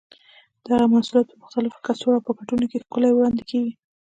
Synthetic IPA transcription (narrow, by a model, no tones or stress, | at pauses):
d̪̥əaɣamasuljɑt̪̚pəmʊxt̪alɪfkasoɽapəkaʈunokexkʊlajwɽɑnd̪ekʰeɡi